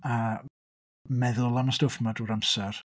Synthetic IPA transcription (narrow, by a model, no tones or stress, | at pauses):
a | mɛðʊlˠamastofmaduːɾamsɛr